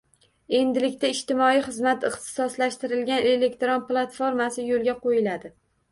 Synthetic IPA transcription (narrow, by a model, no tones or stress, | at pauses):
e̞nd̪ɪlɪkʲt̪ʰaɪʃt̪ɪmɒijχɨzmat̪ɪχt̪ɪ̥sɒslaʃt̪ɪɾɪlɡʲane̞le̞kt̪ɾonplˠat̪foɾmasɪjolˠɡʲaqʰojɪlad̪ɪ